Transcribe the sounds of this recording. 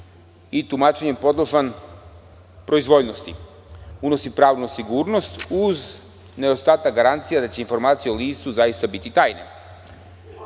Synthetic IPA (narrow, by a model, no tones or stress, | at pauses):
it̪umaːt͡ʃeɲempo̞d̪lˠoʒan | pɾo̞izʋo̞ʎno̞st̪ḭ | uno̞sipɾaːʋnusiɡuːɾno̞st̪uz | ne̞ost̪aːt̪akɡaɾant̪sijad̪at͡ɕe̞info̞ɾmaːt̪sijeoliːst̪uzajist̪abit̪it̪aːjnḛ